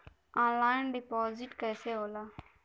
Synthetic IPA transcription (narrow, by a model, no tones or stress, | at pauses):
ãːnlaːɪnɖipɔːziʈkɛːseɦoːlaː